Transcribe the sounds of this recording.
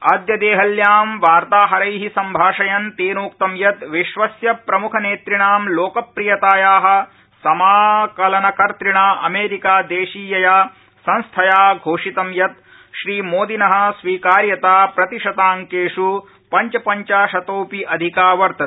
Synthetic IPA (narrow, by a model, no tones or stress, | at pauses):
aːd̪jɐd̪eːɦɐljaːmʋaːɾt̪aːɦɐɾɐjɦisɐmbʱaːʂɐjɐnt̪eːnoːk̚t̪ɐmjɐt̪ʋiʃʋɐsjɐpɾɐmukʰɐneːt̪ɾiɳaːmloːkɐpɾijɐt̪aːjaːɦɐ̆ | sɐmaːkɐlɐnɐkɐɾt̪ɾiɳaːʔɐmeːɾikaːd̪eːʃiːjɐjaː | sɐ̃nst̪ʰɐjaːɡʱoːʂit̪ɐmjɐt̪̚ | ʃɾiːmoːd̪inɐɦɐ̆sʋiːkaːɾjɐt̪aːpɾɐt̪iʂɐt̪aːŋkeːʂu | pɐɲt͡ʃɐpɐɲt͡ʃaːʃɐt̪oːpiʔɐd̪ʱikaːʋɐɾt̪ɐ